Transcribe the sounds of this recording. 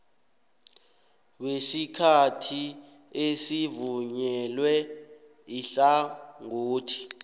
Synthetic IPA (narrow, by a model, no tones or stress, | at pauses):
wesikʰatʰi | esivuɲɛlwɛ | iɬaŋoːtʰi̥